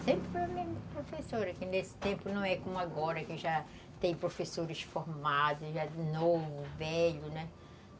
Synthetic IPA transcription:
sẽmpɾɪpɾɐmẽmɐpɾofesoɾɐkɪnesɪ̥t̪ẽmpʊnɐ̃w̃ɛkõmʊaɡɔɾɐkɪʒa | t̪ẽj̃pɾofesoɾɪʃfoɾmad̪ʊʒanovʊvɛʎʊnɛ

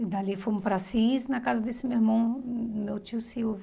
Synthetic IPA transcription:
id̪alifojmʊpɾasiznɐkazɐd̪esɪmewiɾmɐ̃w̃mewt͡ʃiʊsiwv

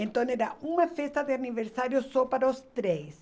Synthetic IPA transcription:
ẽnt̪õneɾaumɐfest̪ɐd̪ɪaniveɾsaɾjʊsɔpaɾɐost̪ɾejs

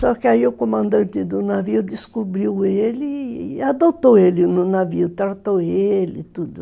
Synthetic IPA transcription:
sɔkɪaiʊkomɐ̃nd̪ɐ̃nt̪ɪd̪ʊnaviʊd̪iskubɾiwelɪad̪ot̪oelɪnʊnaviʊt̪aɾt̪oelɪt̪ud̪ʊ

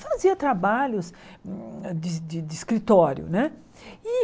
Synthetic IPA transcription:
faziɐt̪ɾabaʎʊs | d̪ɪd̪ɪd̪ɪːskɾit̪ɔɾjʊ̰nɛ | ɪ

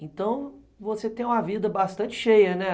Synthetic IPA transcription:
ẽnt̪ɐ̃w̃ | voset̪ẽj̃ũmɐvid̪ɐbast̪ɐ̃t͡ʃɪ̥ʃejɐnɛ

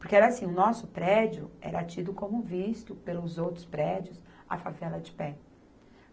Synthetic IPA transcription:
poɾkeɛɾɐasĩʊnɔsʊpɾɛd͡ʒʊ̰ɛ̰ɾɐt͡ʃid̪ʊkõmʊvist̪ʊpelʊzowt̪ɾʊspɾɛd͡ʒiʊs | ɐ̰favɛlɐd͡ʒɪpɛ

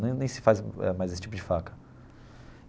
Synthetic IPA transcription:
nẽj̃nẽj̃sɪ̥fazɛ̰majzesɪ̥t͡ʃip̬ʊd͡ʒɪfakɐ̥

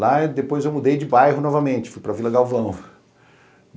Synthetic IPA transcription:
lad̪epojzewmud̪ejd͡ʒɪbajɦʊnɔvɐmẽnt͡ʃɪ̥fujpɾɐvilɐɡawvɐ̃w̃

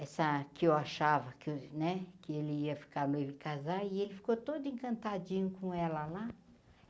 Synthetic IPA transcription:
ɛsɐkɪewaʃavɐkɪnɛkɪelɪiɐfi̥kaɾnelɪkazaɪelɪfi̥kot̪od̪ʊẽŋkɐ̃nt̪ad͡ʒĩɲʊkõɛlɐla

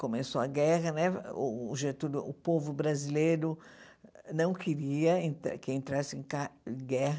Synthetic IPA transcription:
komesoɐɡɛɦɐnɛʒet̪ud̪ʊʊpovʊbɾazilejɾʊ | nɐ̃w̃kʰɪɾiɐẽt̪a̰kɪẽnt̪ɾasɪẽj̃kãɡɛɦɐ

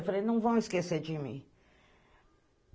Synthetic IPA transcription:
fɐɾenɐ̃w̃vɐ̃w̃ɪskeseɾd͡ʒimḭ̃

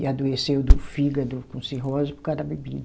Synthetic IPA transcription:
ad̪oesewd̪ʊfiɡɐd̪ʊkõsiɦɔzʊpɾʊkaɾɐbebid̪ɐ

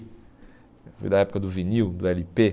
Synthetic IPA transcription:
fṵjd̪ɐɛpʊ̥kɐd̪ʊviniwd̪ʊɛlipe

